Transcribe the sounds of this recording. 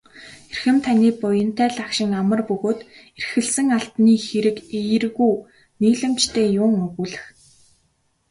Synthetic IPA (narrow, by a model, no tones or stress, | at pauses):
erxɘ̆mt̪ʰaniːpʊjə̆n̥t̪ʰæːɮakʃɪ̆ŋamə̆rpɵɣoːt̪erxɘ̆ɮsɘ̆ŋaɬp̪niːxeɾɘ̆kejɘ̆rɣuː | niːɮɘ̆mt͡ɕt̪ʰeːjʊːŋɵɣuːɮɘ̆x